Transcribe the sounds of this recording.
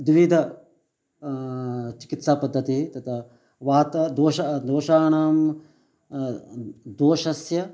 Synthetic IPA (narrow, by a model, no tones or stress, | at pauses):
d̪ʋid̪ʱɐ | t͡ʃi̥kit̪saːpɐd̪ʱːɐt̪it̪ɐt̪ʰɐ | ʋaːt̪ɐd̪oːʃɐd̪oːʃaːɳaːm | d̪oːʃɐsjɐ